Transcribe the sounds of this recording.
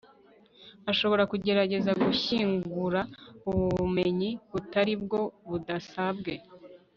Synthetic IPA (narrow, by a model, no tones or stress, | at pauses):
aʃo̞βo̞ɾakuɟe̞ɾaɟe̞zaɡuçiːŋɡuɾauβuβme̞ɲiβutaɾib̚ɡo̞βudasabɡe̞